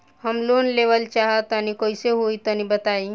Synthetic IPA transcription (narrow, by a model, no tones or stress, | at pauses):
həmlonleʋəlt͡ʃaɦət̪ənikoiseɦoit̪ənibət̪ai